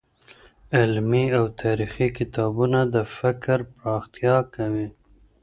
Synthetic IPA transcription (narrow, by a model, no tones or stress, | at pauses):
ɪlmiawt̪ʰɑɾixikɪt̪ɑbunad̪əfɪkɾpɾɑxt̪jɑkawi